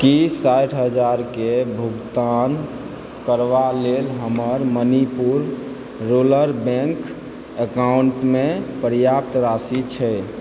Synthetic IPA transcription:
kissaʈʰɦəd͡ʒaɾkebʱuɡt̪an | kəɾʋalelɦəməɾmənipuɾː | oləɾbɛ̃ŋk | əkauɳʈmepəɾjap̚t̪ɾasit͡ʃʰɛ

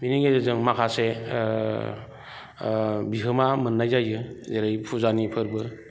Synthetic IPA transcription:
miniŋɡezɯzɯŋmakʰase | biɦɯmamɯnːajzajɯzeɾɯjpʰuzanipʰɯɾbɯ

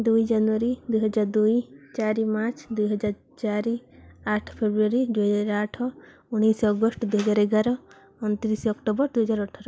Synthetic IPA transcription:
d̪ujd͡ʒanuaɾid̪ujɦɔd͡ʒaɾd̪ujt͡ʃaɾimat͡ʃʰd̪ujɦɔd͡ʒaɾ | t͡ʃaɾiaʈʰpʰebɾuaɾid̪uɦɔd͡ʒaɾaʈʰɔ | uɽ̃isɔɡɔsʈɔd̪uɦɔd͡ʒaɾeɡaɾɔ | unt̪iɾisɔkʈɔbɔɾd̪ujɦɔd͡ʒaɾɔʈʰɔɾɔ

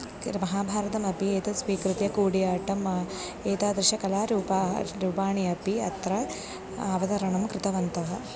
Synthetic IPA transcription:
mɐɦaːbʱaːɾɐt̪ɐmɐpieːt̪ɐsʋiːkɾɪt̪jɐkuːɽijaːʈɐmɐ | eːt̪aːd̪ɾɪʃɐkɐlaːɾupaːɾupaːɳiɐpiɐt̪ɾɐ | aːʋɐd̪ɐɾɐɳɐmkɾɪt̪ɐʋɐnt̪ɐɦɐ

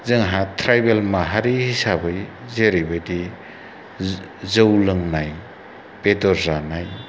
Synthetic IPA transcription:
zɯŋɦatʰɾajbelmaɦaɾihisabɯj | zeɾibɯjdi | zɯwlɯŋnaj | pedɔɾzanaj

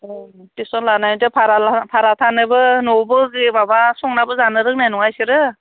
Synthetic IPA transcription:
tisɔnlanajntepʰaɾaapʰaɾatʰanɯbɯnɔbɯɡibabasɔŋnabɯzanɯɾɯk̚najnɔŋajsɯɾɯ

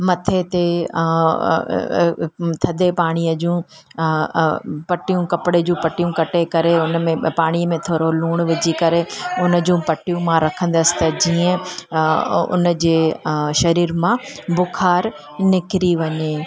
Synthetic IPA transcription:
mɐt̪ʰet̪e | t̪ʰɐd̪ʱepaːɽ̃ijəd͡ʑũ | pɐʈijũkɐpɽed͡ʑũːpɐʈijũkɐʈekɐɾeʊnmẽpaːɽ̃iəmẽt̪ʰoːɾoluːɽ̃ʋɪd͡ʑikɐɾeʊnə̆d͡ʑũːpɐʈijũmãɾɐkʰə̃n̆d̪əsɪ̥t̪ɐd͡ʑiːə̃ | ʊ̰nəd͡ʑeːʃɐɾiːɾmãbʊkʰaːɾ | nɪkɪɾiʋɐɲeː

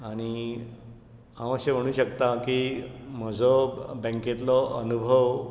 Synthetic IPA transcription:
aɽ̃i | ɦãməsem̤əɽ̃uːɕəkt̪akim̤əd͡zʱɔbə̃ŋket̪lɔʔənubʱəʋ

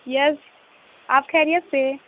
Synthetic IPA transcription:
jɛz | aːpkʰɛːɾijət̪se

